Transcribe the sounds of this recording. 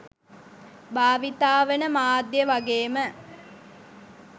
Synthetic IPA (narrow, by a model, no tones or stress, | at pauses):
baːʋit̪aːʋənəmaːd̪jəʋaɡeːmə